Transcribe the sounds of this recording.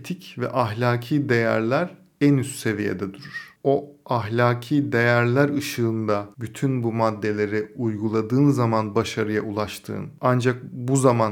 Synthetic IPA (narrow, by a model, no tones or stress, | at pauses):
et̪ʰicvɛ̰ʔaɦlʲaːcʰiːd̪e̞jæ̰ɾlʲæɾ | ænyst̪se̞vije̞̰d̪ɛd̪uɾuɾ̥o̞aɦlʲaːcʰiːd̪e̞jæɾlʲæɾɯʃɯːnd̪abyt̪ʰynbumad̪ːe̞lʲe̞ɾɪujɡulˠad̪ɯːnzamanbaʃaɾɯjaulˠaʃt̪ʰɯ̰ːnand͡ʒak̚buzaman